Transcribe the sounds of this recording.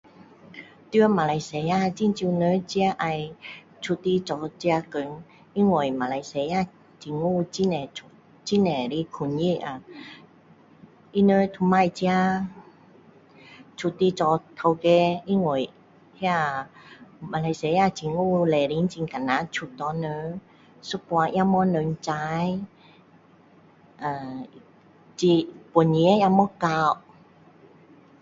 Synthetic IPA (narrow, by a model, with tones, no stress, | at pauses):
t̪y˧˦ə˦ma˨˧la˧jse˧ja˧t͡ɕi˧˨nt͡ɕi˧nə˧˦t͡ɕi˧a˧ʔa˧j | t͡ʃʰu˧t̪ːi˧t͡sɔ˧t͡ɕi˧a˧kə˨ŋ | i˦˥ŋwo˨˩jma˨la˧jse˧ja˧ | t͡ɕi˨˧ŋu˥˧˨t͡ɕi˧˥nɛ˨u˧ | t͡ɕi˥nɛ˨˩ɾi˧˦kʰu˧nji˦˥˨a˨ | i˧nə˧˦t̪ʰu˧ma˧jt͡ɕi˧a˧ | t͡ʃʰu˧t̪ːi˧t͡ʃɔ˧t̪ʰə˧wke˧i˦ŋo˨˩˨j | hi˦a˧ | ma˧˨la˧jse˧˦ja˧˨t͡ɕi˧ŋu˧lɛ˧˨ɾi˧˦n˦t͡ʃi˧ŋka˨na˧t͡ʃʰu˧t̪ɔ˧nə˧˦ | su˧˦pwa˧ʔja˧mɔ˧˦nə˧n˧t͡ʃa˧˦j | ʔa˨ | t͡ɕi˧po˨ni˧˦a˦˧ja˧mɔ˦ka˧˨w